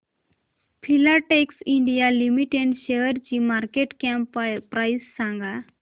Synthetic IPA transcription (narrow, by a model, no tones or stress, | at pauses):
pʰilaʈeksiɳɖijalimiʈeɳɖɕeɦəɾt͡ɕiːmaɾkeʈkampɾajsːãŋɡa